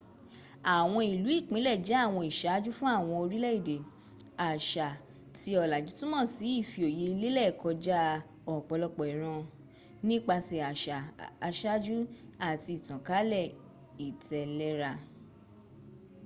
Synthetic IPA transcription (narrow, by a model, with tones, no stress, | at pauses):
a˨w̃ɔ̃˧i˨lu˨˦i˦˨k͡pĩ˨˦lɛ˦˨d͡ʒɛ˨˦a˦˨w̃ɔ̃˧i˨ʃa˨˦d͡ʒu˦fũ˦a˦˨w̃ɔ̃˧o˧ɾi˦lɛ˦i˦˨de˨ | a˨ʃa˨ | ti˧ɔ˨la˨d͡ʒu˨˦tũ˦mɔ̃˦˨si˨˦i˦˨fi˧o˨je˨˦i˧le˦lɛ˦˨kɔ˧d͡ʒa˦ | ɔ˨k͡pɔ˨˧lɔ˧k͡pɔ˨i˨ɾ̃ã˧ | nĩ˦k͡pa˧se˨a˨ʃa˨a˧ʃa˦d͡ʒu˦a˦˨ti˧i˨tã˨ka˨˦lɛ˦˨ | i˨tʰɛ˨lɛ˦ɾa˧